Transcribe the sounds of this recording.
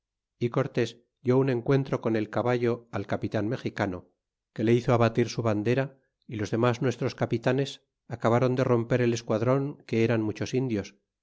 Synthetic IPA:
iko̞ɾt̪e̞s | d̪jo̞unẽ̞ŋkwe̞nt̪ɾo̞ko̞ne̞lkaβaʝo̞alkapit̪anme̞xikano | ke̞le̞iθoaβat̪iɾsuβand̪e̞ɾa | ilo̞zðe̞maznwe̞st̪ɾo̞skapit̪ane̞s | akaβaɾo̞nd̪ero̞mpe̞ɾe̞le̞skwaðɾo̞ŋke̞eɾanmut͡ʃo̞sind̪jo̞s

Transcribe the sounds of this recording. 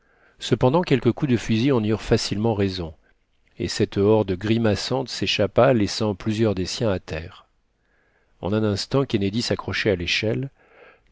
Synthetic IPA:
səpɑ̃d̪ɑ̃kʲɛlkəkud̪əfyziɑ̃nyʁfasilmɑ̃ʁezɔ̃ | ḛsɛt̪ɔʁd̪əɡʁimasɑ̃t̪seʃapalɛsɑ̃plyzjœʁd̪esjɛ̃at̪ʰɛːʁ | ɑ̰̃nɛ̃nɛ̃st̪ɑ̃kʲened̪isakχɔʃɛaleʃɛl

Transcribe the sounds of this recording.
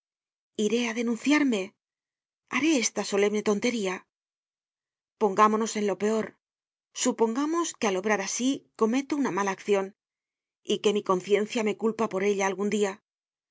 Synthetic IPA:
iɾe̞aðe̞nũnθjaɾme̞ | aɾe̞est̪aso̞le̞βne̞t̪o̞nt̪e̞ɾia | po̞ŋɡamo̞no̞se̞nlo̞pe̞o̞ɾ | supo̞ŋɡamo̞skealo̞βɾaɾasiko̞me̞t̪ounamalaːkθjo̞n | ike̞miko̞nθje̞n̟θjame̞kulpapo̞ɾe̞ʎaːlɣund̪ia

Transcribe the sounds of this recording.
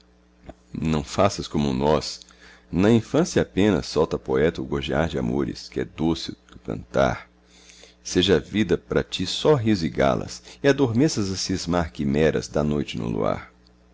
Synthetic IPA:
nɐ̃w̃fasɐskõmʊnɔs | nɐĩfɐ̃sjɐapẽnɐ̰sːɔwt̪ɐpoɛt̪ɐʊɡoʒiaɾd͡ʒɪa̰moɾɪ̰skɪɛd̪osɪd̪ʊkɐ̰̃nt̪a̰ɾ | seʒɐavid̪ɐpɾɐt͡ʃisɔɦiziɡa̰lɐ̰sɪad̪oɾmesɐzɐsizmaɾkimɛɾɐ̰zd̪ɐnojt͡ʃɪnʊ̰lṵa̰ɾ

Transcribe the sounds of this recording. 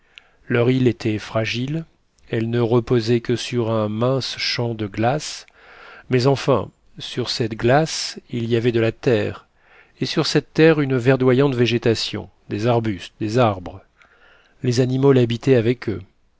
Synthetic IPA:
lœʁilet̪ʰɛfχaʒil | ɛlnəʁəpozɛkəsyʁɛ̃mɛ̃sʃɑ̃d̪əɡlas | mɛzɑ̃fɛ̰̃ | syʁsɛt̪ɡlasilijavɛd̪əlat̪ɛːʁ | esyʁsɛt̪ːɛʁynvɛʁd̪wajɑ̃t̪veʒet̪asjɔ̰̃ | d̪ezaʁbyst̪d̪ezaʁbʁə | lezanimolabit̪ɛavɛkʰø̰

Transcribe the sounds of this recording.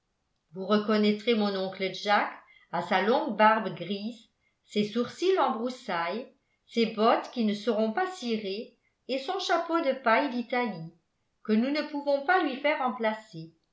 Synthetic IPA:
vuʁəkɔnɛt̪χemɔ̃nɔ̃kləʒak | asalɔ̃ɡbaʁbɡʁiːz | sesuʁsilɑ̃bʁusaj | sebɔt̪kʲinəsəʁɔ̃pasiʁe | esɔ̃ʃapod̪əpajd̪it̪ali | kənunəpuvɔ̃palɥifɛːʁɑ̃plase

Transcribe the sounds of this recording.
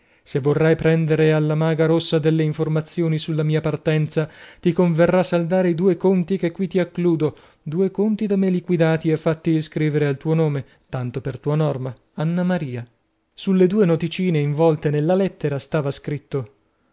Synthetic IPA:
sevːorːajpɾɛnd̪eɾealːamaːɡaɾosːad̪elːeiɱformat̪sːjoːnisulːamiːapart̪ɛnt̪sat̪ikoɱverːasːald̪aːɾeid̪uːekont̪ik̟ekːwit̪ːiakːluːd̪o | d̪uːekont̪id̪amelikwid̪aːt̪iefːat̪ːid̪iskɾiːveɾealt̪uːonoːme | t̪ant̪opert̪uːanɔrma | anːamaɾiːa | sulːed̪uːenot̪it͡ʃiːneiɱvɔlt̪enelːalɛt̪ːeɾast̪aːvaskɾit̪ːo

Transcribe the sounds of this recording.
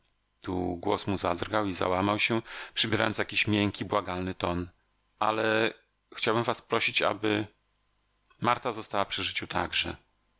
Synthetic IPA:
t̪ṵɡwɔ̰smuzad̪rɡawiza̰wamawɕɛpʂɘbʲjɛɾa̰jɔnt̪jakʲiɕmʲjɛŋkʲibwaɡalnɘt̪ɔn | ʔalɛ | xt͡ɕawbɘmvaspɾɔɕit͡ɕa̰bɘ | maɾt̪azɔst̪awapʂɘʐɘt͡ɕut̪ʰaɡʐɛ

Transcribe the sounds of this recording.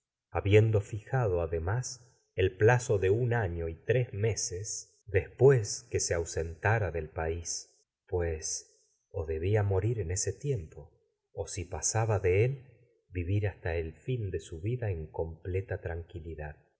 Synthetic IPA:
aβje̞nd̪o̞fixað̞o̞aðemas | elplaso̞ðe̞unaɲo̞it̪ɾezme̞ses | d̪e̞spwe̞skeseawse̞nt̪aɾaðe̞lpais | pwes | oðe̞βiamo̞ɾiɾe̞ne̞se̞t̪je̞mpo̞ː | sipasaβaðe̞el | biβiɾast̪aelfind̪e̞suβiðaeŋko̞mplet̪at̪ɾaŋkiliðað

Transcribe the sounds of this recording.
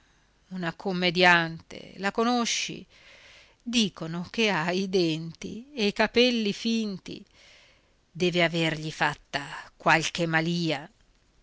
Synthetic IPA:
unakomːed̪jant̪ḛlakonoʃːḭ | d̪iːkonok̟eaid̪ɛnt̪ḭejkapɛlːifint̪ḭ | d̪ɛːveaverʎifat̪ːakwalk̟emaliːa

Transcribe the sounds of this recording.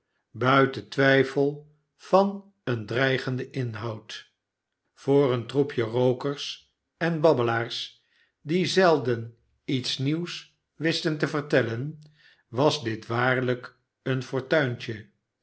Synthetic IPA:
bœɥtətʋɛjfəlˠ | v̥ɑn | əndrɛjχəndəʔɪnɦɑwt | fʊːrəntrupjərowkəɹs | ɛnbɑbəlaːɹs | dizɛlˠdən | itsniws | ʋɪstəntəvəɹtɛlən | ʋɑzdɪtʋaːɹlək | ənfɔɹtœɥnt͡ʃə

